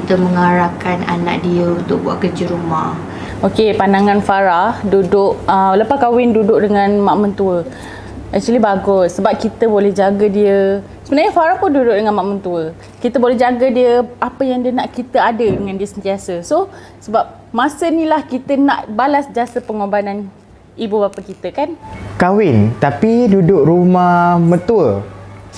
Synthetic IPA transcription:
kit̪əməŋaɾakana̰nã̰ʔdiəunt̪ʊk̚bwa̰ʔkəd͡ʒəɾumah | okepandaŋãnfaɾahdudʊʔələpakawɪndudʊʔ̚dəŋãnmaʔmənt̪uə | ʔɛk̚t͡ʃualibaɡʊsːəbap̚kit̪əbolɛhd͡ʒaɡədiə | səbənaɲafaɾahpʊndudʊʔ̚dəŋanmaʔmənt̪uə | kit̪əbolɛɦd͡ʒaɡədiəapəjaŋdiənaʔkit̪əadədəŋãndiəsənt̪iasəso | səbap̚ | mãsənĩlahkit̪ənãʔbalasd͡ʒiasəpəŋobanan | ibubapakit̪əkankawɪnt̪apidudʊk̚ɾumahmə̃nt̪uə

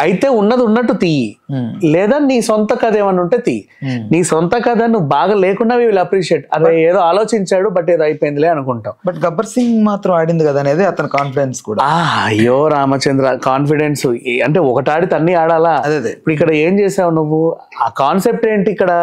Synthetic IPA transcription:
ɐjit̪e̞ːunːɐd̪iunːɐʈ̬ːut̪i | lɛːd̪aːniːsont̪ɐkɐd̪eːmɐnuɳʈeːt̪i | niːsont̪ɐkɐd̪aːnuʋubaːɡaːleːkunːaːʋiʋilɐpɾiːʂieːʈɐɾeeːd̪o̞ːaːlo̞ːt͡ʃiɲt͡ʃaːɽubɐʈ̬ːeːd̪oːɐjpojind̪ileːɐnukuɳʈaːmbɐʈɡɐbɐɾsiŋɡmaːt̪ɾɐmaːɽind̪ikɐd̪aːneːd̪eːɐt̪ɐnukaːnpiɽenskuːɽaaɐjːoːɾaːmɐt͡ʃɐnd̪ɾakaːnpiɽe̞nsuɐɳʈe̞ːɔkɐʈaːɽit̪ɐnːiaːɽaːlaːɐd̪d̪eipːuɽikːɐɽɐe̞ːmt͡ʃeːsaːʋunuʋːu | aːkaːnse̞p̚ʈe̞ːɳʈiːkːɐɽɐ

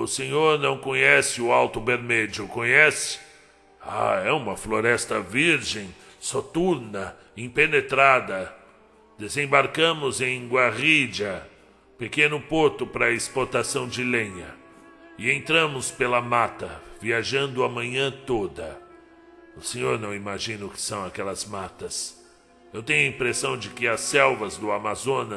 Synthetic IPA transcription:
ʊsẽɲoɾnɐ̃w̃kõɲɛsɪʊawt̪ʊbeɾmɛd͡ʒʊkõɲɛsɪ̥ | a̰ɛũmɐfloɾɛst̪ɐviɾʒẽj̃ | sot̪uɾnɐ | ĩpenet̪ɾad̪ɐ | d̪̥ezẽbaɾkɐ̃mʊzẽj̃ɡwaʁid͡ʒɐ | pekẽnʊpoɾt̪ʊpɾɐɪspoɾt̪asɐ̃w̃d͡ʒɪlẽɲɐ | ɪẽnt̪ɾɐ̃mʊspelɐmat̪ɐviaʒɐ̃nd̪ʊɐmɐ̃ɲɐ̃t̪od̪ɐ | ʊsẽɲoɾnɐ̃w̃imaʒĩnʊkɪ̥sɐ̃w̃akɛlɐzmat̪ɐs | ewt̪ẽɲʊɐĩpɾesɐ̃w̃d͡ʒɪkɪɐsɛwvɐzd̪ʊamazõnɐs

